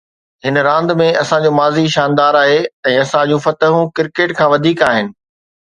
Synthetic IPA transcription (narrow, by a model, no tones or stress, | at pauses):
ɦɪnɾãːnd̪mẽɐsãd͡ʑoːmaːziʃaːnd̪aːɾaːɦeɛ̃ːɐsãd͡ʑũfɐt̪əɦũkɪɾkeːʈkʰãːʋɐd̪ʱiːkaːɦɪnɪ̆